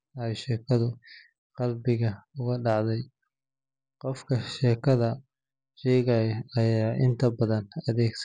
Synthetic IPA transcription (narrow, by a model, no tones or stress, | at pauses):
ɐjʃɛːkʰɐðʊ | qɑlbɪɣɐʊɣɐɖɑʕd̪ɛj | qɔfkʰɐʃɛːkʰɐðɐ | ʃɛːɣɐjɐɐjaːʔɪnt̪ʰɐbɐðɐnɐðɛːɡs